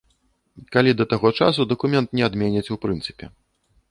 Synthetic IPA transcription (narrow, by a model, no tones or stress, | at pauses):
kalʲid̪ɐt̪aɣɔt͡ʂa̰sud̪ɐkumʲɛnt̪nʲɛad̪mʲɛnʲɐt͡sʲuwpɾɨnt̪sɨ̥pʲɛ̰